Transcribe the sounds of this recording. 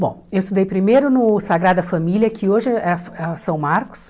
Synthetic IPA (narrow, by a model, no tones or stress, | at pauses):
bõ̰ewɪst̪ud̪ejpɾimejɾʊnʊsaɡɾad̪ɐfɐmilʲjɐkɪoʒɪɛfɛsɐ̃w̃maɾkʊ̥s